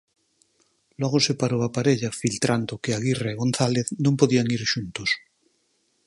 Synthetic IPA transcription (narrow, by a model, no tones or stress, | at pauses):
lwoɣ̞osepaɾoapaɾeʎafilt̪ɾand̪okeaɣireeɣonθaleθnõmpoðiaŋiɾʃunt̪os